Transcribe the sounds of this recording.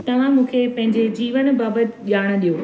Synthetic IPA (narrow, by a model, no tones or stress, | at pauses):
t̪ɐʋ̤ãmũːkʰepɐ̃ɦɪ̃ɲd͡ʑed͡ʑiːʋənbaːbət̪ʄaːɽ̃̆ɗijoː